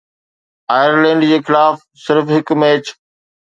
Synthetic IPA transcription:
aːjəɾlẽːɳɖd͡ʑeːxɪlaːf | sɪɾfɦɪkmeːt͡ɕ

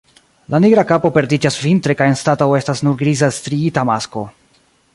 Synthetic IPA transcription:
laniɡɾakapo̞pe̞ɾdid͡ʒasvintɾe̞kajenstatawe̞stasnuɾɡɾizastɾiitamasko̞

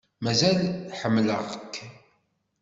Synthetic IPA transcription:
mæzælħəmːlə̰ʁəkʰː

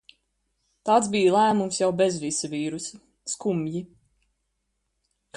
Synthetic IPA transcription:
t̪aːt̪sbiːjlˠæːmumsjawbezvisavʲiːɾus | skumji | k

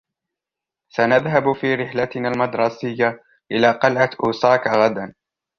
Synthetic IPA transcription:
sanaðɦabfiːɾɪħlat̪ɪnaːlmɑd̪ɾˤɑsɪjːa | ʔɪlaːqɑlʕaʔuːsɑːkaɣad̪an

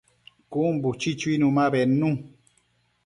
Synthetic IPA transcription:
kumbut͡ʃit͡ʃuinũmãβɛnũ

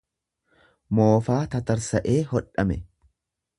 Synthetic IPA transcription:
mo̞ːfaːt̪ɐt̪ɐɾsɐʔeːhɔᶑːɐmɛ

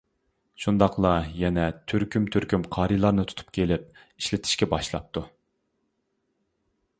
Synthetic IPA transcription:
ʃund̪ɑqlˠɑjɛnɛt̪ʰyɾkʲʰymt̪ʰyɾkʲymqʰɑːɾilˠɑɾnɨt̪ʰu̥t̪ʰu̥p̚kʲʰelɪp̚ | iʃlɪt̪ʰɪ̥ʃkʲɛbɑʃlˠɑ̰p̚t̪u

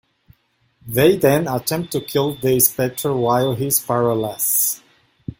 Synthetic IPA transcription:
ðeɪðɛ̃nətʰɛ̃mp̚tʰukʰɪlˠðispɛk̚tʰɹəwaɪɦɪspaɹəlɛs

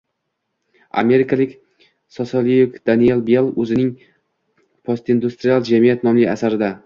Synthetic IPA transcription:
a̰me̞ɾɪkʰalɪkʲ | sosolˠijokd̪̥anielˠbelˠɵzɪnɪŋ | pʰost̪ɪnd̪ust̪ɾijalˠd͡ʒamijat̪nɒmlɪa̰saɾɪd̪a

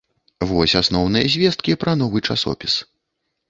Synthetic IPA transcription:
vɔsʲasnɔwnɨjɐzʲvʲɛst̪̚kʲipɾɐn̪ɔvɨt͡ʂa̰sɔ̰pʲis

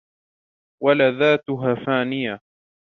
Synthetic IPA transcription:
walaðaːt̪ʊɦaːfaːnɪja

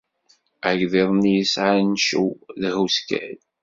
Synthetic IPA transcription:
æʝðeðˤnijəsʕanʃulhuskæ̰l

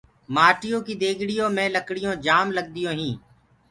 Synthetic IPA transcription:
maːʈijõːkiːd̪eːɡɽɪjõːmɛ̃ːləkɽɪjõːd͡ʒaːmləɡ̚d̪ɪjõːɦĩː

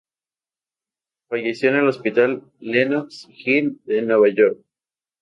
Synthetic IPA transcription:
faʝe̞sjo̞ene̞lo̞spit̪alː | enoksxild̪e̞nwe̞βaʝoɾk̚

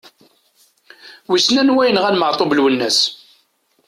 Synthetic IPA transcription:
wisnænwæjnʁænməʕt̪ˤobəlwənːæs

